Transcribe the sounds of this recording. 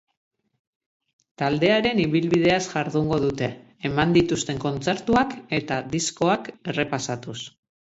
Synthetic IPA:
t̪ald̪e̞aɾe̞niβilβið̞e̞asʝaɾðuŋɡo̞ð̞ut̪e̞ː | mand̪it̪ust̪e̞ŋko̞nt͡se̞ɾt̪uake̞t̪aðisko̞ake̞re̞pasat̪us

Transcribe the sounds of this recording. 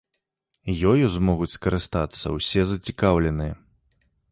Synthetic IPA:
jɔjuzmɔɣut͡sʲskɐɾɨst̪at̪sːɐ̰wsʲɛzɐt͡sʲikawlʲɛnɨjɐ

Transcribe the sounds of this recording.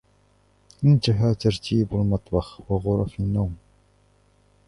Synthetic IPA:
mɪnt̪aɦaːt̪aɾt̪ʰiːbʊlmɑt̪ˤbɑxwɑɣʊɾˤɑfinːaːm

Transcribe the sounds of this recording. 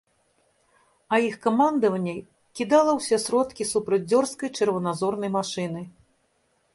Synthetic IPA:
ɐixkamand̪ɐvɐnʲːɐ | kʲid̪alˠɐwsʲɛsɾɔt̪kʲisupɾɐd͡zʲzʲɔrskɐjt͡ʂɐrvɐnazɔrnɐjmaʂɨnɨ

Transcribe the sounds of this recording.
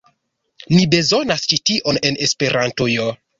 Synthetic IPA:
nibe̞zo̞nast͡ʃitiʔo̞ne̞ne̞spe̞ɾʔantojo

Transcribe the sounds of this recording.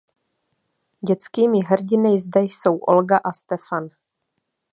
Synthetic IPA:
ɟɛt͡skiːmɪɦɾ̩ɟɪnɪjzd̪ɛjso̞wʔo̰lɡaʔast̪ɛfan

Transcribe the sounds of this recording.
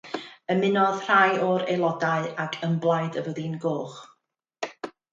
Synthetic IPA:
əmɪnɔð̥r̥ajɔɾelˠɔdaɨakʰəmblˠaɨdəvəðinɡoːχ

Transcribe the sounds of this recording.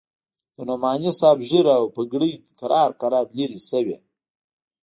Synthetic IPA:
d̪̥ənomɑnisɑbʒəɾawpəɡɽəj̪kaɾʔɑɾqaɾɑɾliɾisəwḛ

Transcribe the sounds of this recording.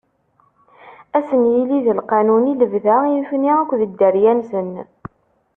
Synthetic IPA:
æsənjiliðəlqɑnuniləvðæjəfniækʷːðəd̪ːəɾjænsən

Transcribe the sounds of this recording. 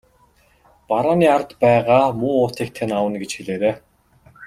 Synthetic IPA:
paɾaːniːar̆t̪pæːʁaːmuːʊːt̪iːk̚t̪ʰenawə̆nɡet͡ɕxiɮeːɾeː

